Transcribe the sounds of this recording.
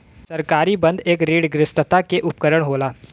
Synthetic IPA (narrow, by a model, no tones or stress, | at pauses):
sɐɾkaːɾibɐ̃nd̪eːkɾiːɽɡɾɪsʈ̪ət̪akeʔʊpkəɾəɽ̃ɦoːlaː